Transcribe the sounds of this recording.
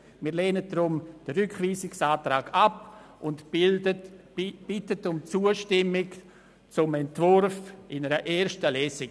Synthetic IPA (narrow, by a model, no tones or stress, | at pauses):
miːɾleːnət̚dɾʊmd̥əɾʏkχviːsɪksaːtɾaːɡʰapʔʊnt | b̥ɪtətʊmt͡suːəʃtɪmɪk | t͡sʊmɛntvʊɾfɪnəɾəʔeːɾʃtəlɛːsɪɡ